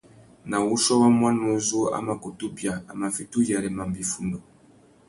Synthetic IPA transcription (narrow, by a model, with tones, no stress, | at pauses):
na˨wu˦ʃɔ˦wa˦mwa˦nmɔ˨˦zu˦a̰˨˦ma˨ko˨tu˦bja˨a˨ma˨fi˨tu˦ja˨ɾɛ˨ma˨mbi˨fu˦˨ndɔ˨